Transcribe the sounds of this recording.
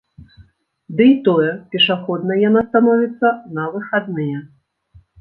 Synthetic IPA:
d̪ɨit̪ɔjɛpʲɛʂaxɔd̪̚nɐjanast̪anɔvʲit̪sːɐnɐvɨxad̪nɨjɛ

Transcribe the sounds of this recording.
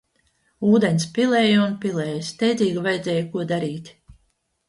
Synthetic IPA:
uːd̪enspʲilˠɛːjunpilˠɛːjst̪ɛjd̪ziːɡvajd̪zʲɛːjkuɔd̪aɾiːt̪ʲ

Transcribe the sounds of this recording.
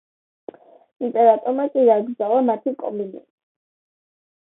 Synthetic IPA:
impʼɛɾat̪ʼɔɾmakʼidaɡɾd̪zalˠamat̪ʰikʼɔ̰minḭ

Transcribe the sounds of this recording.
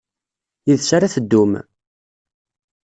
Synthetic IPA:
jiðsaɾaθəd̪ːum

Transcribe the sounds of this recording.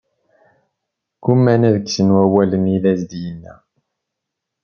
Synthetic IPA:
kumːænæðəksənwæwælənilæzd̪jənːæ̰

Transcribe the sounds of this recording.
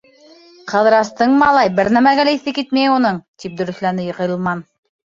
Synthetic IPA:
qʰɤ̆ðɾɑst̪ɤɴmɑlˠɑjbɘɾnæmæɡælæiθɘkit̪mæjunɤɴt̪ip̚d̪ɵ̆ɾɵ̆θlænɘjɤ̆qɤ̆jɤ̆lˠmɑn

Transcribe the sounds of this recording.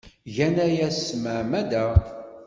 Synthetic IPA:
ʝænæjæsːməʕmæd̪æ

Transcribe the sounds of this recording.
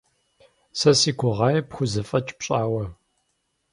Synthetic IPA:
sɐsiːkʷʊʁɑːjɛpxʷʊzɨfʼɐt͡ʃʼpɕʼaːwɐ

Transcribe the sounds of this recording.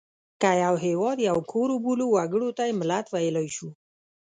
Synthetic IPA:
kajawɦewɔd̪jawkʰoɾubuluwaɡəɽot̪aeməlat̪ʋajləjɕu

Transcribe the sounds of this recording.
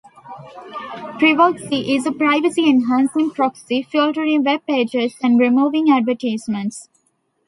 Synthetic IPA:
pɾiʋɔlksiʔɪzəpɾaɪʋəsiɛ̃nɦæ̃ːnsɪ̃ŋpɾɔksifɪlʈəɾɪ̃ŋʋeb̚peːd͡ʒezæ̃ɳɖɾɪmuːʋɪ̃ŋæɖʋəʈaɪzmə̃ɳʈs

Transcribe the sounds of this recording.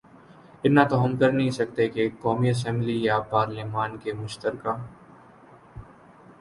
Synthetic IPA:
ɪt̪nat̪oɦɐmkɐɾnɐɦĩsɐk̚t̪ekekɔːmiɐs̬ɛ̃mblijapaːɾleːmaːnkemʊʃt̪əɾkaː

